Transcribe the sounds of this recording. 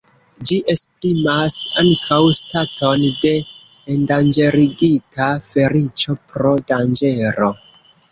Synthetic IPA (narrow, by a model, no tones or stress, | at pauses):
d͡ʒiʔe̞spɾimasaŋkʰawstatʰo̞nde̞ː | ndand͡ʒe̞ɾiɡitʰafe̞ɾit͡ʃo̞pɾo̞dand͡ʒe̞ɾo̞